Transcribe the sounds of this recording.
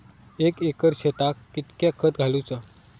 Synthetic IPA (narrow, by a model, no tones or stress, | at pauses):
ekekəɾɕet̪akːit̪kjakʰət̪ɡʱalut͡sə